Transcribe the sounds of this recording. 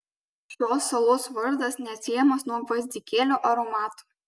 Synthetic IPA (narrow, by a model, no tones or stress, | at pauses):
ʃʲoːsːɐlˠoːsʋɐɾd̪ɐsnʲɛt̪ʲsʲɪjɛmɐsnuɔʋɐzʲd̪ʲikʲeːlʲoːʔɐɾɔmɑːt̪u̥